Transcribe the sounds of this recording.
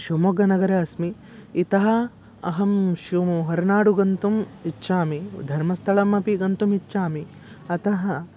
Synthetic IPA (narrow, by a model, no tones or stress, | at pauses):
ʃumoɡɐnɐɡɐɾɐɐsmiː | t̪ɐɦɐ | ɐɦɐmʃiʋɐmuɦɐɾnaːɽuɡɐnt̪umitːʃaːmid̪ʱɐɾmɐst̪ʰɐɭɐmɐpiɡɐnt̪umitːʃaːmi | ɐt̪ɐɦɐ